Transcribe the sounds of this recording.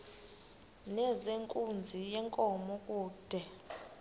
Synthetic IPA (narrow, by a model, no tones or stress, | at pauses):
nɛzeŋkʼund͡zʱijɛŋkʼɔmɔkʼuːd̥ʱɛ